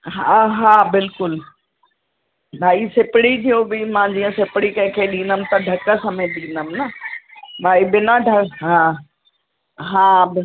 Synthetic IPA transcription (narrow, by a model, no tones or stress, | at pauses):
ɦɦaːbɪlkʊl | bʱaːisɪpɽid͡ʑiobɪmãd͡ʑiːə̃sɪpɪɽikɐ̃ɦɪ̃kʰeːɗĩːnəmɪ̆t̪ɐɖʱɐkə̆sɐmẽɗĩːnəmɪnɐ | bʱaːibɪnaɖʱɐɦãː | ɦãːbɪ